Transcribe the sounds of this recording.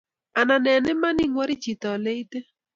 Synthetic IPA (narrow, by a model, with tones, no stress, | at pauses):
a˨na˨nɛ˨nɛ˦ma˦ni˦ŋwɔ˦ɾi˦t͡ʃi˨tɔ˨le˦i˦te˦